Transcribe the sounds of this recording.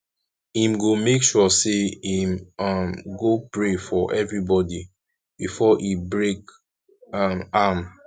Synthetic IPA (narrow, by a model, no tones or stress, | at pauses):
hĩmɡomekʃɔseĩmamɡopɹefɔʔɛvɹibɔdi | b̥ifɔʔibɹek | amam